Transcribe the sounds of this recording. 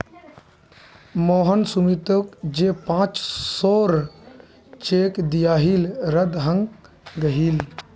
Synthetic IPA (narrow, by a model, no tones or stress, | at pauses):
moːɦənsumit̪okd͡ʒeːpãːt͡ʃsoːɾ | t͡ʃeːkd̪ijaːɦilɾəd̪ɦəŋɡ | ɡəɦil